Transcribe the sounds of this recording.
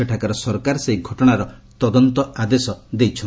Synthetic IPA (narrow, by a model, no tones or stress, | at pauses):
eʈʰakaɾɔsɔɾkaɾseiɡʱɔʈɔɽ̃aɾɔt̪ɔd̪ɔnt̪ɔad̪esɔd̪ejt͡ʃʰɔ